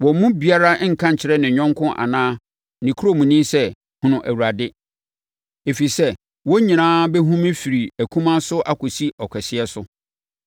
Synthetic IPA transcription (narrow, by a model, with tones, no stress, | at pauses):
wɔ˨mũ˦bi˨a˦ɾa˦ŋ̩˨kʰã˦ɲ̩˨t͡ɕʰɪ˨ɾɛ˦nɪ̃˨ɲᶣɔ̃˦ŋkʰʊ̃˦ʔa̰˨nãː˦ | nĩ˨kʰu˦o˦mũ˨nĩ˦sɛ˦ | hʊ̃˨nʊ̃˨ʔæ˨wu˨ɾa˨dɪ˦ | e˨fi˨sɛ˦ | wɔ˦ɲĩ˨nãː˦bɛ˦ɦũ˦mɪ̃˦fi˨ɾi˨æ˨kʰũ˦mã˦sʊ˦ʔa˦kʊ˨si˦ɔ˨kʰɛ˨sɪ˦ɛ˦sʊ˦